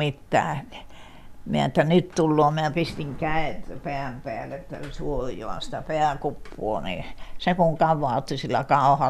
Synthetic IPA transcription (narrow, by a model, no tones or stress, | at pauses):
it̪ːæ̰ː | miæ̰et̪ːænyt̪t̪ulːoːmiæpist̪iŋkæet̪peæmpeælːet̪ːæ̰suojˑo̰ɑ̰si̥t̪æpeækupːuo̰nḭsekuŋkɑʋˑɑːt̪ːisilːækɑˑohɑ